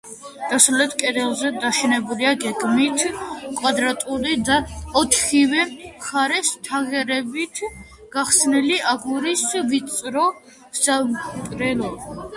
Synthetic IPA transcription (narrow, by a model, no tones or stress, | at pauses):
d̪̥asalɛt̪ʰkʼɛd̪ɛlˠzɛd̪aʃɛnɛbuliaɡɛɡmit̪ʰkʼwad̪ɾat̪ʼuɾid̪aɔt̪ʰχivɛmχaɾɛst̪ʰaʁɛɾɛbit̪ʰ | ɡ̥aχsniliʔaɡuɾisvit̪sʼɾɔ | z̥amkʼɾɛlɔ